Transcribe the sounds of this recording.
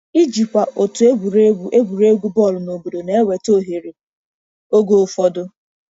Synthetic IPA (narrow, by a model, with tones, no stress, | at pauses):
i˦d͡ʒi˨kʷa˨ʔo˨tʊ˨˦ɡu˨ɾe˦ɡu˨ɾe˦ɡʷu˦bɔ˦˨lʊ˨no˨bo˨do˨ne˨e˦we˨to˦˨ɦe˨ɾe˨ | o˦ɡo˦˨fɔ˦dʊ˦